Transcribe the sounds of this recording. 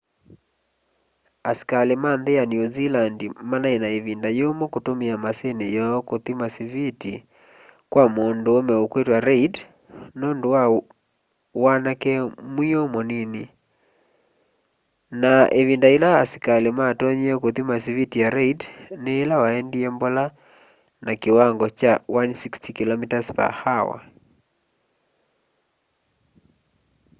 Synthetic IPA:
askalemanðejanjuzilandimanaenaeβindajomɔkotomeamasenejɔɔkoθimasiviti | kwamondoːmɛokwetwaɾɛid | nondowa | wanakɛmwiomɔnini | naʔeβindailaːsi̥kalematɔɲɛkoðimasiβitijaɾɛidneːlawaɛndiɛmbɔla | nakewaŋɡɔt͡ʃawansikstikilɔmitaspa̰hawa̰

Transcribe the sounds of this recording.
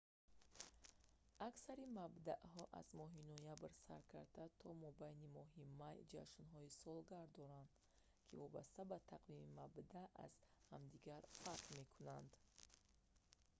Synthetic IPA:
aksaɾimabd̪aʔɦɔʔa̰zmɔɦinɔjabɾsa̰ɾkʰa̰ɾd̪at̪ʰɔmɔbajnimɔɦimajd͡ʒa̰ʃnɦɔisɔlɡaɾd̪ɔɾand̪ | kʰḭvɔba̰st̪abat̪ʰaqlimimabd̪aa̰z̥hamd̪iɡaɾfaɾqme̞kʰunand̪

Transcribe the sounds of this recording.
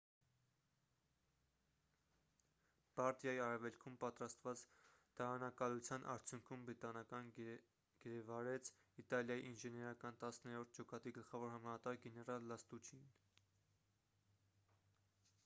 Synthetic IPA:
b̥ɑɾt̪jɑjiɑɾɛvɛlkʰumpɑt̪ɾɑst̪vɑt͡sd̪̥ɑɑnɑkɑlut͡sʰjɑnʔɑ̰ɾt͡sʰjuŋkʰumbɾit̪ɑnɑkɑn | ɡ̥əɾɛvɑɾɛt͡sʰ | it̪ɑljɑjḭʔinʒɛnɛɾɑkɑnt̪ɑsnɛɾɔɾt̪̚ʰd͡ʒɔkɑt̪iɡəlχɑvɔɾhɑmɑnɑt̪ɑɾɡɛnɛɾɑlːɑst̪ut͡ʃʰin

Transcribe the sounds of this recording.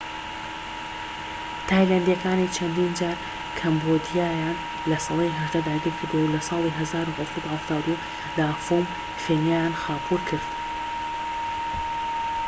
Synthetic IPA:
t̪ʰaːjlɐnd̪jɐkaːniːt͡ʃʰɐnd̪iːnd͡ʒaːɾ | kʰɐmbod̪ijaːjaːn | lɐsɑlˠejɦɐʒd̪ad̪aːɡiɾkʰɨɾd̪uwewlɐsɑːlˠiːɦɐzaːɾuhɐwsɑt̪uhɐft̪aːwd̪u | d̪aːfom | feːnjaːjaːnxaːpʰuːɾkʰɨɾd̪

